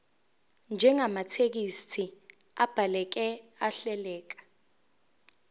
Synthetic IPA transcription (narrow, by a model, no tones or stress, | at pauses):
nd͡ʒʱɛŋamatʰek̬istʰi | a̰b̥ʱalɛk̬ɛaɬɛlɛːk̬ḁ